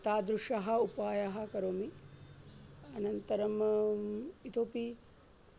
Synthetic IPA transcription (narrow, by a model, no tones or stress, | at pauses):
t̪aːd̪ɾuʂɐɦɐ̆upaːjɐɦɐ̆kɐɾoːmi | ɐnɐnt̪ɐɾɐm | it̪oːpi